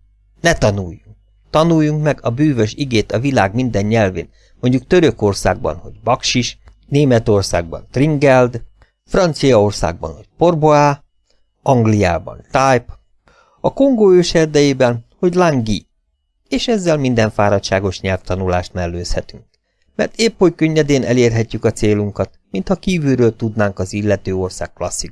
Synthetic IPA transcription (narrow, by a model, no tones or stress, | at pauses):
nɛt̪ɒnuːjːuŋk | t̪ɒnuːjːuŋkmɛɡɒbyːvøʃiɡeːt̪ɒvilaːɡmind̪ɛɲːɛlvḛːn | mo̞ɲɟukt̪ø̞ɾø̞ko̞rsa̰ːɡ̚bɒ̰nho̞̰ɟbɒkʃiʃ | neːmɛt̪o̞rsa̰ːɡ̚bɒ̰nt̪riŋɡɛld̪ | frɒnt̪sijɒo̞rsa̰ːɡ̚bɒ̰nho̞cpo̞rboaː | ɒŋɡlija̰ːbɒ̰nt̪ajp | ɒko̞ŋɡoːøːʃɛrd̪ɛjeːbɛnho̞ɟlaŋɡi | eːʃɛzːɛlmind̪ɛɱfaːɾɒt̪ʃaːɡo̞ʃɲɛlft̪ɒnulaːʃt̪mɛlːøːshɛt̪yŋk | mɛ̰rt̪eːpːojkøɲːɛd̪eːnʔɛ̰leːrɦɛcːykɒt̪seːluŋkɒt̪mint̪hɒkiːvyɾøːlt̪ud̪naːŋkɒzilːɛt̪øːo̞rsa̰ːkːlɒsːi